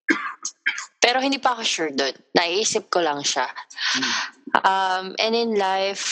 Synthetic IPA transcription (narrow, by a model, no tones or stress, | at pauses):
pɛːɾoɦɪnd̪iːpɐʔɐko̞ʃuɹd̪onːɐʔiʔiːsɪp̚kolɐŋʃa | ʔɐmʔɛnɪnlajf